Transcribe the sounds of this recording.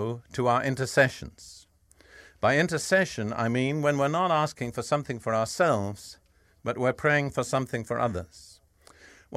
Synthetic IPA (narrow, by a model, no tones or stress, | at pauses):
ʊɾəaʊə˞ʔɪ̃ntə˞sɛʃn̩z̥ | b̥aɪɪ̃ntə˞sɛʃɨ̃na̰ɪmĩnwɨ̃nwɪɹnəɾæskɪ̃ŋfə˞sʌ̃mθɪ̃ŋfə˞aʊə˞sɛlˠvz̥ | b̥ʌʔ̚wɪɹpʰɹ̥eɪɪ̃ŋfə˞sʌ̃mθɪ̃ŋfə˞ʔʌ̰ðə̰˞z̥ | w